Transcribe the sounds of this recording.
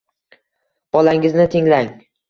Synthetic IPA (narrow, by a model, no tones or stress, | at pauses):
b̥ɒlaŋɪznɪt̪ʰɪŋlaŋ